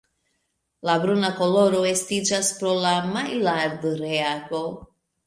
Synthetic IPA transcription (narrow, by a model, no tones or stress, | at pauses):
labɾunako̞lo̞ɾo̞estid͡ʒaspɾo̞lamajlaɾdoɾeaɡo̞